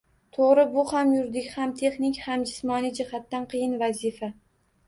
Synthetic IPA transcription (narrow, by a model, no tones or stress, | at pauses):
t̪ʰoʁɾɪbʊhamjʊɾd̪ɪkʲhamt̪ʰe̞χnɪkʲhamd͡ʒɪsmɒnid͡ʒɪhat̪ːanqʰɨjɪnvazifa